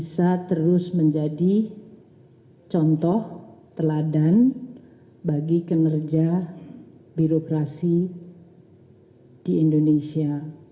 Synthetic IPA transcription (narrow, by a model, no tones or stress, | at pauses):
bisat̪əɾʊsməɲd͡ʒadi | t͡ʃɔnt̪ɔht̪əladan | baɡikənərd͡ʒa | biɾokɾasi | d̥iindonesia